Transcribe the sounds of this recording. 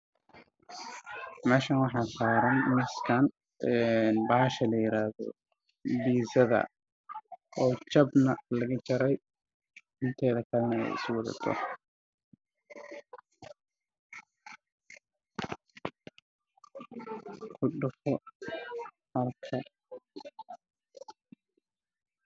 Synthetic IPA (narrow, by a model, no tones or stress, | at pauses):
mɛːʃanwɑħɑːsaːɾɐnmɪskʰan | ʔɛnbaːʃɐlɐjɪɾaːðɔ̰ | biːsɐðɐ̰ | ʔɔːt͡ʃɐbnɐlɐɣɐt͡ʃɐɾɛj | ɪnt̪ʰɛːðɐkʰɐlɐnɐɛ̰jɪ̰sʊwɐðɐ̰t̪ʰɔ̰ | kʰʊɖʊfɔ | hɐlkʰɐ